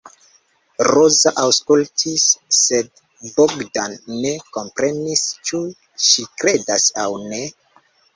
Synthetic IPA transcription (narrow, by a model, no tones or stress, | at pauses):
rozaʔawskultʰisːe̞d | boɡdanːe̞ko̞mpɾe̞nist͡ʃu | ʃikɾe̞dasawne̞